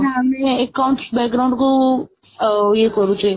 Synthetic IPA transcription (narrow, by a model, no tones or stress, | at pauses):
aəmeːkːaw̃ɳʈsbɛk̚ɡɾawɳɖkəũ | ekəɾũt͡ʃʰue